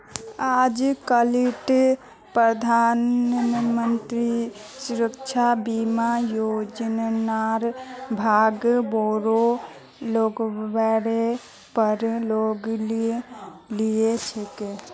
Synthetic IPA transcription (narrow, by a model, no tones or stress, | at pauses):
ad͡ʒkəliʈ | pɾəd̪ʱanmənt̪ɾisuɾəkt͡ʃʰabimajod͡ʒnnaɾbʱaɡboɾo | lokbɛɽe | pəɾloɡl | lijet͡ʃʰeke